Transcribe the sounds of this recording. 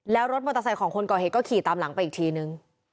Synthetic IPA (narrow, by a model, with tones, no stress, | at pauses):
lɛː˦˥wɾo˦˥t̪̚mo˧t̪a˧sa˨˩kʰɔː˨˩˦ŋkʰo˧nkɔː˨˩e˨˩kɔː˥˩kʰiː˨˩t̪aː˧mla˨˩˦ŋpa˧jʔiː˨˩t̪ʰiː˧nɯ˨˧ŋ